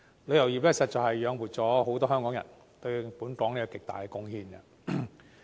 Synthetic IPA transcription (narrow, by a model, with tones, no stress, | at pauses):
le˨˧jɐ˨˩wjiː˨wɛː˥sɐ˧˥t̚t͡sɐ˨˩whɐ˨jjœː˨˧ŋwu˨t̚t͡sɔː˨˥ɦo˨˥wt̪ɔː˥ɦœː˥ŋkɔ˨˥ŋjɐ̰˨˩n | t̪ɵ˧ɥpuː˨˥nkɔː˨˥ŋniː˥kɔ˧kɪ˨k̚t̪a̰ː˨jkɛ˧kʊ˥ŋhiː˧nɐ˧